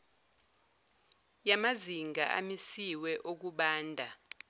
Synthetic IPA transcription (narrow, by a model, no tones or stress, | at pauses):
jamaziŋɡʱa̰ʔa̰misiwɛʔok̬uɓaːndʱa